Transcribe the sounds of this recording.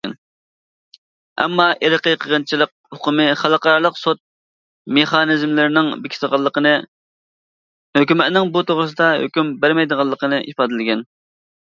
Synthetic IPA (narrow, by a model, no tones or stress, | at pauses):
n | ɛ̰mːɑʔeɾəqəqʰəʁənt͡ʃʰilˠəq̚ | hoqʰʊmɨχælˠəqɑɾɑlˠəqsot̪̚ | meχɑnɪzmlɪɾɪnɪŋbɪkʲʰi̥t̪əʁɑlˠːəqʰənɨ | høkʲymɛt̪nɪŋbut̪ʰoʁɾɨs̬ɨd̪ɑɦø̰kʲymbæɾmɛjd̪əʁɑlˠːəqʰənɨʔipɑːd̪ɪlɪɡʲɛn